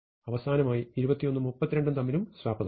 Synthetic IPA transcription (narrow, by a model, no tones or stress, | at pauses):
ɐʋɐsaːnɐmaːjiːɾubɐt̪ːijo̞nːɨmupːɐt̪ːiɾeɳɖunt̪ɐmːiɾumsʋaːbɐð